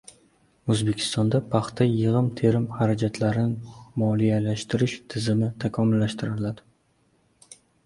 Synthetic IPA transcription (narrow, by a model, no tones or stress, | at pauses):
ɵzbekʲʰɪ̥st̪ɒnd̪apʰɑχt̪ʰajɨʁɨmt̪ʰe̞ɾɪmhaɾad͡ʒat̪ʰlaɾɪnɪmɒlijalaʃt̪ɪɾɪʃt̪ʰɪzɪmɪt̪ʰakʰɒmʊlːaʃt̪ɪɾɪlad̪ɪ